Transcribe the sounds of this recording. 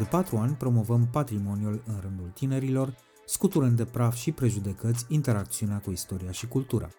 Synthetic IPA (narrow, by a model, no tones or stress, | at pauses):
d̪e̞pat̪ɾuanʲpɾo̞mo̞vəmpat̪ɾimo̞njulɨnrɨnd̪ult̪ine̞ɾilo̞r | skut̪uɾɨnd̪e̞pɾafʃipɾe̞ʒud̪e̞kət̪sʲint̪e̞ɾak̚t̪siuneakuist̪o̞ɾiaʃikult̪uɾʔa̰